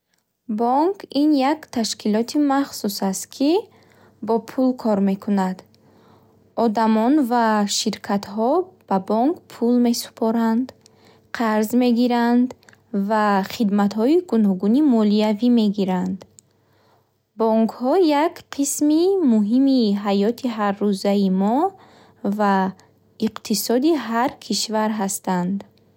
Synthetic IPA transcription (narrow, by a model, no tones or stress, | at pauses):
bɔŋkʰinjakt̪ʰaʃkʰilɔt̪ʰimaχsusast̪kʰi | bɔpʰulkʰɔɾme̞kʰunad̪ | ɔd̪amɔnvaʃiɾkʰat̪hɔb̥abɔŋkpʰulme̞su̥pʰɔɾand̪ | qʰaɾzme̞ɡiɾand̪ | vaχid̪mat̪hɔiɡunɔɡunimɔliavime̞ɡiɾand̪ | bɔŋkʰhɔjakqʰismimuɦimiɦajɔt̪ʰiɦarːuzaimɔ | va | iqt̪ʰisɔd̪iɦaɾkʰiʃvaɾɦast̪and̪